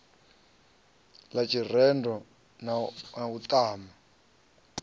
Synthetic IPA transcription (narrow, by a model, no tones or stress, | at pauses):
lat͡ʃʰir̤ɛndɔ | naut̪ʼaːma